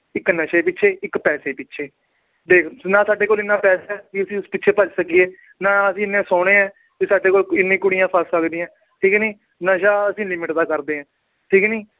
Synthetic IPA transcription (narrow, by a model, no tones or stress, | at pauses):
ɪkːnəʃeːpɪtːʃʰeːɪkpɛːseːpɪtːʃʰeː | ɖeːkʰnãːsaːɖeːkoːlɪnːãːpɛːsaːɛːkiəsĩːʊspɪtːʃʰeːpəd͡ʒsəkieː | nãːəsĩːɪnːẽːsoːɽ̃ẽːɛ̃ː | kisaːɖeːkoːlɪnːĩːkʊɽijãːpʰəlsəkd̪ĩːãː | ʈʰiːknĩː | nəʃaːəsĩːlɪmɪʈd̪aːkəɾd̪eːɛ̃ː | ʈʰiːkniː